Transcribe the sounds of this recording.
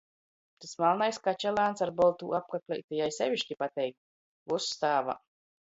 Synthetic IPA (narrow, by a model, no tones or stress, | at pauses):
t̪asmalˠnajskat͡ʃalˠaːnsaɾbɔlˠt̪uːap̚kaklʲɛ̰jt̪ajajsʲɛvʲiʃcʲipat̪ɛjk̚t̪ | vusːt̪aːva̰